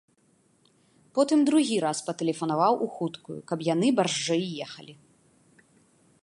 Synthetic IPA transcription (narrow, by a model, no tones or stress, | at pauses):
pɔt̪ɨmd̪ɾuɣʲiɾaspɐt̪ɛlʲɛfɐnavawʔuxut̪kṵjṵkɐbjan̪ɨbarʐd͡ʐɛjːɛxɐlʲi